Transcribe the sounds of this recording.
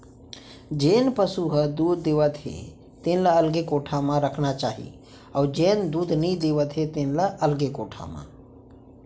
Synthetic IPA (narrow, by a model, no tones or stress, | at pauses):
d͡ʒeːnpəsuɦəd̪uːd̪ːeːʋət̪ɦḛ | t̪ẽːnlaəlɡekoːʈʰamãɾəkʰnat͡ʃaːɦḭ | ɔːɾd͡ʒeːnd̪uːd̪ʱnĩd̪eːʋət̪ɦet̪ẽːnlaʔəlɡekoːʈʰa̰mã̰